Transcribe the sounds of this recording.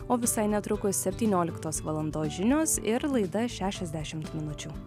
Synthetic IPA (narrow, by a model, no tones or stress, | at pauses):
oːʋʲɪsɐɪnʲɛt̪ɾʊkʊssʲɛpʲt̪ʲiːnʲoːlʲɪkt̪oːsʋɐlˠɐnd̪oːʒʲɪnʲoːsɪɾlˠɐɪd̪ɐʃʲæːʃʲɛzʲd̪ʲæːʃʲɪmt̪mʲɪnʊt͡ʃʲuː